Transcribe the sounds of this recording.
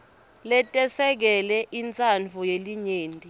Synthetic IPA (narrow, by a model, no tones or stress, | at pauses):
lɛtʼɛsɛk̬ɛlɛʔint͡sʼant͡fujeliɲeːntʼi